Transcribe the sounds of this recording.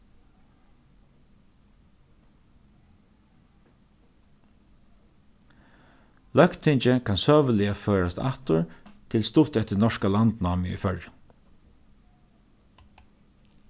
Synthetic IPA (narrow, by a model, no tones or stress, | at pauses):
lœkt̪ʰɪɲt͡ʃəkʰansœːʋəlɪaføːɹast̪a̰ht̪ʊɹt̪ʰɪlst̪ʊt̪ɛht̪ɪnɔʂkalant̪naːmɪḭfœɹjɪ